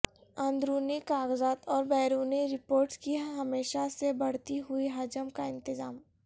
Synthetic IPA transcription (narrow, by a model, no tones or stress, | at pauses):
ə̃nd̪ɾuːnikaːɡzaːt̪ɔːɾbɛːɾuːniɾɪpoːɾʈskiɦɐmeːʃasebɐɽ̤t̪iɦʊiɦaːd͡ʒəmkaɪ̃nt̪ɪzaːm